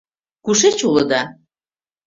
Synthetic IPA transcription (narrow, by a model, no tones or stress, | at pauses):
kuʃet͡ɕulɤ̆d̪ɑ